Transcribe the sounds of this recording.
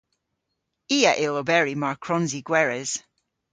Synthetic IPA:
iːəʔɪlˠobɛɹimaɹkʰɹɔnziɡwɛɹɛz̥

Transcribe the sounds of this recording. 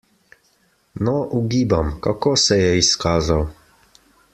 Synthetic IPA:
nɔʔuɡiːbamkakoːsɛjɛiskaːzaw

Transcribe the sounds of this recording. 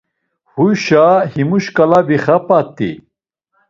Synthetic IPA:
huɕahimuʃkalabiχapat̪ḭ

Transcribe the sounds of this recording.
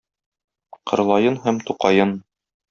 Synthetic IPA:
qɤ̆ɾlˠɑjɤnɦæmt̪uqɑjɤn

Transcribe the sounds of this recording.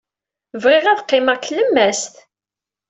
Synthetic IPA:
vʁɪʁæðqːɪmæʁkələmːæst̪

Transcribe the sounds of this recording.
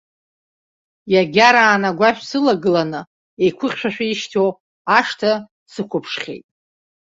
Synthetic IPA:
jaɡʲaɾaːnaɡʷaʃᶣsɨlaɡɨlanɨ | e̞jkʷʰʊχʲʃᶣaʃᶣaiʃtʰow | aʂtʰa | sɨkʷʰʊpʰʂχʲḛjtʼ

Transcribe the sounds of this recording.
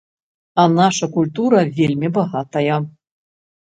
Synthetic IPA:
anaʂɐkulʲt̪uɾɐvʲelʲmʲibɐɣat̪ɐjɐ

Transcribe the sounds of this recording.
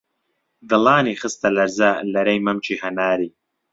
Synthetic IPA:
d̪ɨlaːniːxɨst̪ɐlɐɾzalɐɾɐjmɐmt͡ʃʰiːhɐnaːɾiː

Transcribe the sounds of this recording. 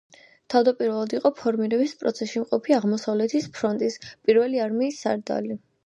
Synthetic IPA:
t̪ʰavd̪apʼiɾvɛlˠad̪iqʼɔpʰɔɾmiɾɛbispʼɾɔ̰t̪sʰɛsʃimqʼɔpʰiaʁmɔsavlɛt̪ʰispʰɾɔnt̪ʼispʼiɾvɛliaɾmiːsːa̰ɾd̪a̰li

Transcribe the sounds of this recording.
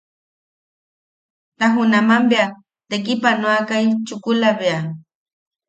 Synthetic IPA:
t̪aɦʊnamambeja | t̪ek̬ipanoakajt͡ʃʊkʊlabea

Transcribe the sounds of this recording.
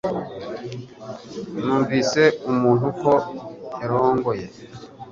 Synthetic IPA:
nuːɱvise̞umuːn̥hukoeɾoːŋɡoje

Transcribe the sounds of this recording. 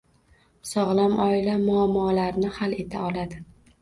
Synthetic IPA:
sɒʁlˠamʔɒɪlamʊamːɒːlaɾnɪhale̞t̪ʰaɒlad̪ɪ

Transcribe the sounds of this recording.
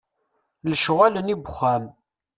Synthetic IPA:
ləʃʁalənibχæm

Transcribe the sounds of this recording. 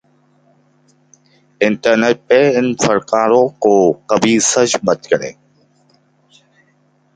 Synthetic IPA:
ɪɳʈəɾneːʈ̚peːɪnfəɾkaːɾokoːkɐbiːsəd͡ʒbət̪kəɾḛː

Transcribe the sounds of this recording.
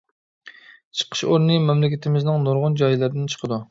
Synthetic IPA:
t͡ʃʰə̥qʰə̥ʃoɾnɨmɛmlɪkʲɪt̪ʰɪmɪznɪŋnoɾʁʊnd͡ʒɑjlˠɨɾd̪ɪnt͡ʃʰə̥qʰəd̪u

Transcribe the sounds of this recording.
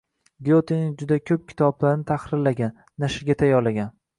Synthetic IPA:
ɡijot̪ʰenɪd͡ʒʊd̪akʲʰɵp̚kʲʰɪ̥t̪ʰɒblaɾnɪt̪ʰahɾɪɾlaɡʲanːaʃɪɾɡʲat̪ʰajɒɾlaɡʲan

